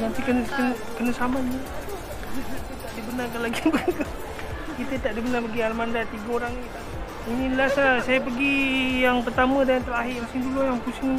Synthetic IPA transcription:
nant̪ikənkən | kənasamani | nanat̪ət̪aʔdibənarkanlaɡibəku | kit̪ət̪aʔdibənarpəɡialmandat̪iɡaoɾaŋit̪a | ininlasasajapəɡijaŋpərt̪amədaant̪əɾaɦɪʔmasɪŋdulujaŋpusɪŋ

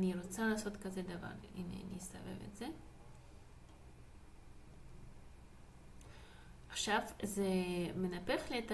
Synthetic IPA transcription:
niɾo̞t͡salaːso̞t̪kazed̪ava̰ɾinḛnḭst̪a̰vḛvḛtz̥e | aχʃavzeme̞nape̞χliet̪

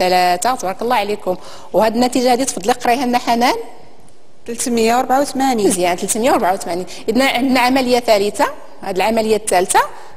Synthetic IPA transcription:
ælæt̪at̪ˤbɑɾˤɑkəlˤːɑʕlikʊm | whæd̪ənːæt̪iʒahæd̪it̪fd̪ˤliqɾˤɑjhænːæħanæn | t̪əlt̪məjːawɾˤbʕawt̪mænizjænt̪əlt̪məjːawɾbʕawt̪mæninʔəd̪næʕənd̪naʕamæləjːat̪ælət̪a | hæd̪əlʕamæləjːæt̪ːælt̪a

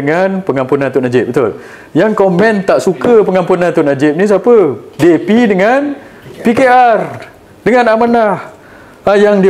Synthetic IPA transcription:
əŋanpəŋãmpunãnt̪unad͡ʒɪp̚bət̪ʊ̰l | jaŋkomɛ̃nt̪aʔsukəpəŋampunãnt̪ʊnad͡ʒɪp̚nĩs̬apədepidəŋan | pikear | dəŋãnamanah | ajaŋdi

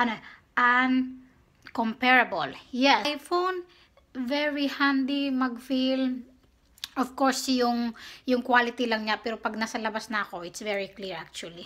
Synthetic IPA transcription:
ʔɐnoʔɐn | kompɛɹɐboljɛjfon | vɛɹihand̪imɐɡfil | ʔɔvkoɹsjʊŋjʊŋkwalɪt̪ilɐŋɲapɛːɾopɐɡ̚nɐsɐlɐbasnɐʔɐko̞ʔɪt̪svɛɹikliɹʔak̚t͡ʃuɐli

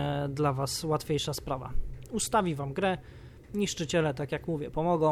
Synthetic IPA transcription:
d̪lavaswat̪fʲejʂaspɾava̰ust̪avʲivamɡɾɛ | ɲiʂt͡ʂɘt͡ɕɛlɛt̪akjakmuvʲjɛpɔmɔɡɔ̃

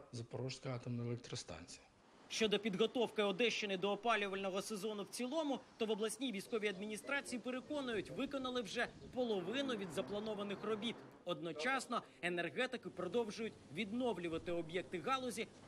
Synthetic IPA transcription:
zɐpɔɾɔʃskɐɑt̪ɔmnɔɛlˠɛk̚t̪ɾɔst̪ɑ̰nʲt͡sʲijɐ | ʃt͡ʃɔd̪ɔpʲid̪ɦɔt̪ɔwkɪɔd̪ɛʃt͡ʃɪnɪd̪ɔːpɑlʲʊʋɐlʲnɔɦɔse̞zɔnʊwt͡sʲilˠɔmʊt̪ɔʋɔblˠɐsʲnʲiʋʲijsʲkɔʋʲiɐd̪mʲinʲist̪ɾɑt͡sʲijipeɾekɔnʊjʊtʲʋɪkɔnɐlˠɪwʒɛpɔlˠɔʋɪnʊʋʲid̪zɐplˠɐnɔʋɐnɪxrɔbʲit̪ | ɔd̪̚nɔt͡ʃɑsnɔ | enerɦɛt̪ɪkɪpɾɔd̪ɔwʒʊjʊtʲʋʲid̪nɔʋlʲʊʋɐt̪ɪɔbjɛk̚t̪ɪɣɑlˠɔzʲi

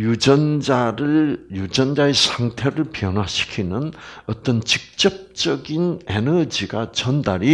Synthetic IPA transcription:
jud͡ʑʌnd͡ʑaɾɯjud͡ʑʌnd͡ʑaesʰaŋtʰe̞ɾɯɭpjʌnwaɕʰi̥kʰinɯnʌt͈ʌnt͡ɕik̚t͡ɕ͈ʌp̚t͡ɕ͈ʌɡinenʌd͡ʑiɡat͡ɕʌndaɾi

